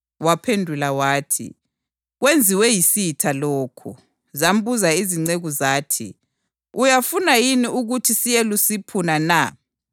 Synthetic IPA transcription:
wapʰendʱulawaːtʰḭ | ɣwend͡zʱiwɛjisitʰaloːkʰṵ | zam̩buzaiziŋ͡ǀeɣuzaːtʰḭ | ujafunajiniuɣutʰisijelusipʰunana

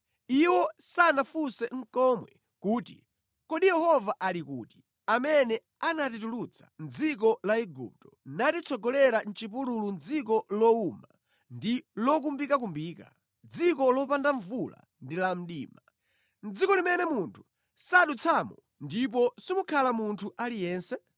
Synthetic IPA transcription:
iwɔsanafusɛŋ̩kɔmwɛ̰ | kuːtḭ | kɔɗijɛhɔvaʔalikuːti̥ | amɛnɛ | anat̬itulut͡sʰḁ̰nd͡zik̬ɔlaiɡṵp̚tɔ̥natit͡sʰɔɡɔlɛɾan̩t͡ʃip̬uɾulund͡zik̬ɔlɔuma | ndilɔk̬umbikak̬umbiːka̰ | d͡zikɔlɔpandaɱvula̰ | ndilam̩ɗḭːma | nd͡zikɔlimɛnɛmuntʰu̥ | saɗut͡sʰamɔ | ndip̬ɔsimukʰalamuntʰuʔalijɛːnsɛ

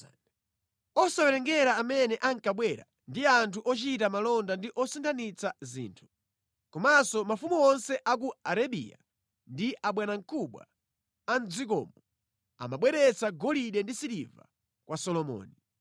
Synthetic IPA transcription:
ɔsawɛɾɛŋɡɛɾaːmɛnɛʔaŋkaɓwɛɾa̰ | ndiantʰuʔɔt͡ʃitamalɔndandiʔɔsintʰanit͡sazḭːntʰu̥ | kɔmasɔmafumuɔnsɛʔak̬uaɾaɓḭja̰ | ndiʔaɓwanaŋ̩kʰuɓwa̰ | and͡zik̬ɔ̰ːmɔ | a̰maɓwɛɾɛt͡saɡɔliɗɛndisiɾiva̰ | kwʔasɔlɔmɔ̰ːni

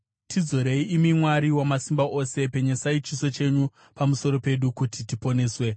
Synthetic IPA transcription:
tʰid͡zo̞ɾe̞iʔimimwaɾiwamasimbaʔo̞se̞pe̞ɲesait͡ʃiso̞t͡ʃe̞ɲu | pamuso̞ɾo̞pe̞ɗukutitipo̞ne̞ːswe̞

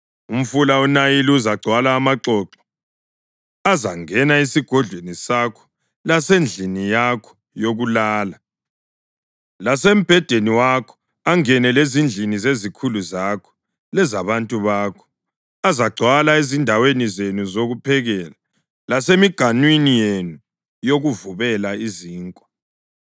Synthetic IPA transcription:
um̩fulaunajiliuzaɡ͡ǀʱwalaːmaǃɔːǁɔ̥ | azaŋɛnaisiɡ̥ʱɔɮʱwenisakʰɔ̥ | lasend͡ɮʱinijakʰɔ̥ | joɣulaːla | lasem̩b̥ʱɛd̥ʱeniwakʰɔ̥ | aŋɛnɛlezind͡ɮʱinizezikʰuluzakʰɔ̥ | lɛzaβantʼuβaːkʰɔ̥ | azaɡ͡ǀʱwalaezindʱawenizenuzoɣupʰɛɣɛːla | lasemiɡ̥ʱanwinijenu | joɣuvuβɛlaiziːŋkʼɔ

